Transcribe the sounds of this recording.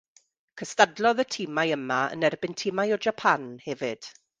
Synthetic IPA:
kʰəstadlˠɔðətʰiːmajəmaə̰nɛrbɪntʰiːmajɔd͡ʒapʰanhɛvɪd̥

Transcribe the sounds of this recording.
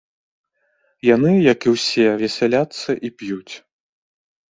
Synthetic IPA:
janɨjɐkiwsʲɛvʲɛsʲɛlʲat̪sːɐʔipjut͡sʲ

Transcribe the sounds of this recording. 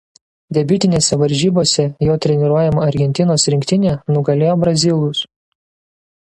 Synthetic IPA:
d̪ʲɛbʲɪt̪ʲɪnʲeːsʲɛʋɐɾʲʒʲiːboːsʲɛjoːt̪ʲɾʲɛnʲɪɾuɔjɛmoːɐɾʲɡʲɛnʲt̪ʲɪnoːsɾʲɪŋʲkʲt̪ʲɪnʲeːnʊɡɐlʲeːjoːbɾɐzʲɪlˠʊs

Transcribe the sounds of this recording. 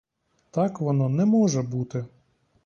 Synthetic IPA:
t̪ɑkʋɔnɔnɛmɔʒɛbut̪ɪ

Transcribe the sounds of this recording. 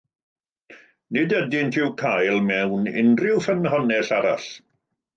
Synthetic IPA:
nɪdɛdɪntʰɪwkʰajlˠmɛwnɪ̰nrɪwfənɦɔnɛɬaɾa̰ɬ

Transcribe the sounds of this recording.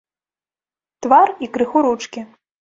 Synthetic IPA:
t̪varikɾɨxuɾut͡ʂkʲi

